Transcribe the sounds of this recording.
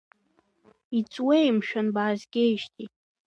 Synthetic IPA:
it͡sʼwejmʃᶣanbaːzɡʲejʒtʰʼi

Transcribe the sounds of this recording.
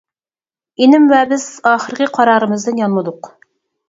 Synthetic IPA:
enɪmvɛbɪz̥ɑːχəɾkʲɪqʰɑɾɑːɾɨmɨzd̪ɨnjɑnmɨd̪ʊq

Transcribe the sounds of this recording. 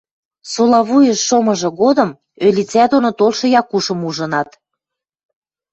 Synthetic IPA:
solɑβujəʃːomɤ̆ʒɤ̆ɣod̪ə̆m | ølʲit͡sæd̪onot̪olʃɤ̆jɑkuʃə̆muʒɤ̆nɑt̪

